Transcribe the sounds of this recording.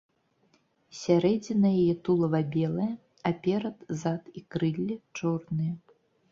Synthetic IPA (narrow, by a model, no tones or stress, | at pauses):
sʲaɾɛd͡zʲinɐjajɛt̪ulˠɐvabʲɛlˠɐjɐ | ɐpʲɛɾɐd̪zat̪ikɾɨlʲːɛt͡ʂɔrnɨjɐ